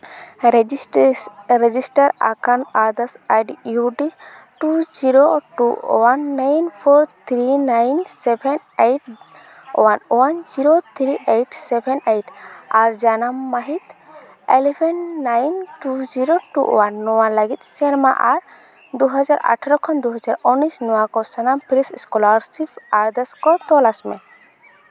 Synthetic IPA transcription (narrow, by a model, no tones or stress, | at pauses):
ɾɛd͡ʒisʈaɾa̰kanad̪asaɖjuɖi | ʈud͡ʒiɾoʈuwanːajnpʰɔɾt̪ʰɾinajnsɛbʰɛn | ejʈ̚ | wanwand͡ʒiɾot̪ʰɾiʔejʈsɛbʰʱɛnejʈaɾd͡ʒanamːaɦit̪ | elɛpʰɛnːajnʈud͡ʒiɾoʈṵwanːɔwalaɡit̪̚sɛɾmaʔaɾ | d̪uɦad͡ʒaɾʔa̰ʈʰaɾɔkʰɔnd̪uɦɔd͡ʒaɾɔnisnɔwakɔsanampɾisskɔlaɾsipʰaɾd̪ɛskɔt̪ɔlasmɛ